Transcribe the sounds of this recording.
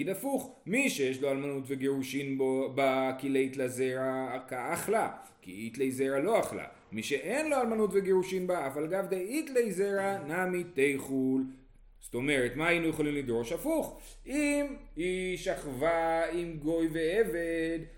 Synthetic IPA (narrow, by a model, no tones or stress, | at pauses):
idafuχmiʃejeʃlo̞almanutveɡeʁuʃinbobakileit̪lazeʁakaːχlakḭit̪lejzeʁalo̞aχla̰ | miʃe̞ʔenlo̞almanutve̞ɡeʁuʃinbaːvalɡavd̪eit̪lejzeʁanamit̪ejχul | z̥t̪o̞me̞ʁetmaːjinujeχo̞limlid̪ʁo̞ʃafuχ | imhiʃaχvaimɡo̞jve̞eve̞d̪